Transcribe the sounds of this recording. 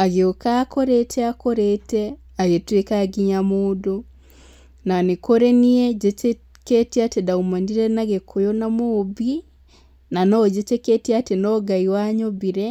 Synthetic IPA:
aɣeokakoɾetʰɛakoɾetɛ | aɣetwekaɡiɲamodo | nanekoɾeniɛd͡ʒete | ketiatedaumaniɾɛnaɣekʰojonamoːbi | nanɔd͡ʒeteketiatenɔɡaiwaɲobiɾɛ

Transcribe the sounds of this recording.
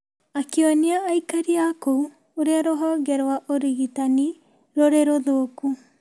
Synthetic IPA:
akiɔniaʔːikaɾiakou | oɾeaɾɔɦɔɡɛɾwaʔoɾiɣit̪ani | ɾoɾeɾoðoːku

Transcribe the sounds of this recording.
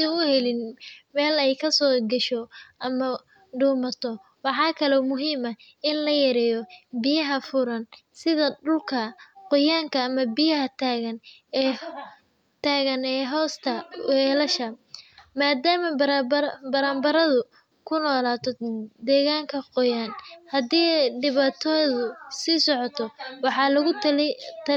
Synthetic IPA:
iʊhɛlɪnmɛːlɛjkʰɐsɔːɡɐʃɔʔɐmɐ | ɖuːmɐt̪ʰɔ | wɑħɑːkʰɐlɔːmʊɦiːmɐ | ɪnlɐjɐɾɛːjɔbɪjɐɦɐfʊɾɐnsɪðɐɖʊlkʰɐqɔjaːŋkʰɐːmɐbɪjɐɦɐt̪ʰaːɣɐn | ɛː | t̪ʰaːɣɐnɛːɦɔːst̪ʰɐ̰ɛːlɐʃɐmaːd̪aːmɐɾbbɐɾaːmbɐɾɐðʊ | kʰʊnɔːlaːt̪ʰɔd̪ɛːɣaːŋkʰɐqɔjaːnhɐd̪iːɖɪβaːt̪ʰɔðʊsiːsɔʕɔt̪ʰɔwɑħɑlɐɣʊt̪

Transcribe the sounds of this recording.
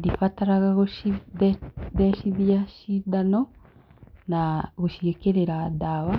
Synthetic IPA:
difataɾaɣaɣoʃi | ðɛʃiðiaʃidanɔ | naɣoʃiekeɾeɾadawa

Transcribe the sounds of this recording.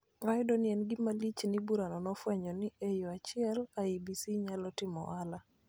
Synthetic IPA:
ɾajdɔnɪɛnɡɪmalit͡ʃnibuɾanɔnɔfwɛɲɔnɪʔejoat͡ʃɪɛlaibisiɲalɔtɪmɔ̰ʔala

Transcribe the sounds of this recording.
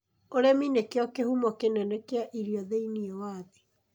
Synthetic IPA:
oɾɛminekeɔkehumɔkenɛnɛkeaʔiɾiɔðeiniɛwaðe

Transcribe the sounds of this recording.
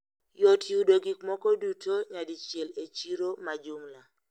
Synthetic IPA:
jɔtjudoɡikmɔkɔdutʰoɲadit͡ʃelet͡ʃiɾomad͡ʒumla

